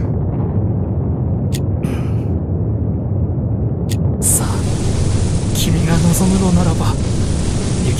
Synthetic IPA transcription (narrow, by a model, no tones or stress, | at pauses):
sa | kʲimʲiɡanosoŋɯɾonaɾaba | jɯk